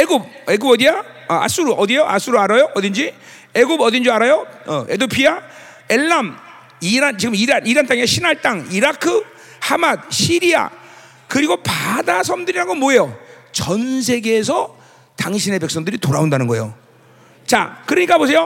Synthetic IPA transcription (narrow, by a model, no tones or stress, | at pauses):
eɡub̚eɡubʌdija | a̰s͈uɾuʔʌd̪ijoʔa̰s͈uɾuaɾajoʔʌdind͡ʑi | eɡubʌdind͡ʑiaɾajoʌe̞dopʰia | eɭːam | iɾant͡ɕiɡɯmiɾaniɾant͈aŋeeɕʰinaɭt͈aŋiɾakʰɯ | hamad̚ɕʰiɾia̰ | kɯɾiɡopadasʰʌmdɯɾiɾaɡʌmwoe̞jot͡ɕʌnsʰeɡeːsʰʌ | taŋɕʰine̞pe̞k̚s͈ʌŋdɯɾitoɾaondanɯnɡʌejo̰ | t͡ɕa̰kɯɾʌɲik͈abos̬ʰe̞jo